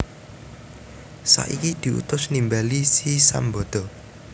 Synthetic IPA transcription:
sa̰ʔikid̪̥i̤ʔṵt̪ʊsnimbalisisa̰mbɔd̪̥ɔ̤

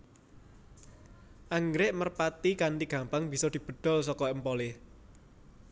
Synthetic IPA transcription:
ʔaŋɡɾɪʔmərpat̪ikanɖiɡ̥a̤mpaŋb̥i̤sɔd̪̥i̤b̥ə̤d̪̥ɔ̤lsɔkɔəmpɔlɪ

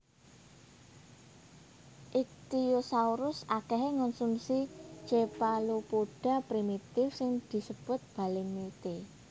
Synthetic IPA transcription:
ʔik̚t̪ijosauɾʊsakɛɦeŋɔnsunsi̥d͡ʒepalupoɖ̥a̤pɾimit̪ɪfsɪŋd̪̥i̤səb̥ʊt̪̚b̥a̤lɪŋmit̪e

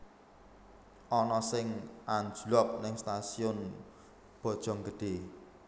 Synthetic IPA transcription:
ʔɔnɔsɪŋʔand͡ʒulɔk̚nɪŋst̪asiʊn | b̥ɔ̤d̥ʒ̥ɔ̤ŋɡəɖ̪̥e̤

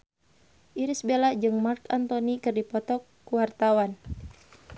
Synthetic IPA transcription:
ʔiɾisbelad͡ʒɨŋmarkant̪ɔnikɨrdipɔt̪ɔkːuwart̪awan

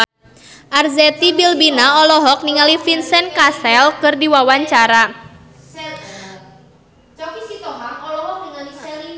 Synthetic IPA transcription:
ʔarzɛt̪ibilbinaɔlɔɦɔk̚niŋalifinsɛnkasɛlkɨrdiwawaɲt͡ʃaɾa | t͡ʃɔpisit̪ɔɦaŋɔlɔɦɔk̚niŋalis

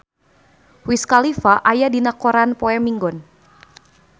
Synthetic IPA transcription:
wiskalifaʔajadinakɔɾanpɔɛmiŋɡɔn

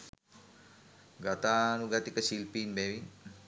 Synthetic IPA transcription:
ɡat̪aːnuɡat̪ikəsilpiːnbɛʋin

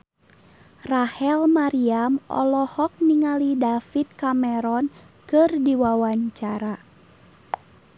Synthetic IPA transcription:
rahɛlmaɾiamɔ̰lɔhɔk̚niŋalidafit̪̚kamɛɾɔn | kɨrdiwawaɲt͡ʃaɾa

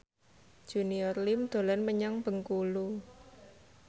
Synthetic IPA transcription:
ʒ̥ṳniɔrlimd̪̥o̤lanməɲaŋb̥ə̤ŋkulu

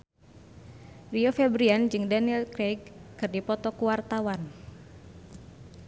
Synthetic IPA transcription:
riofɛbɾiand͡ʒɨŋdaniɛlkɾɛɡ̚kɨrdipɔt̪ɔkuwart̪awan

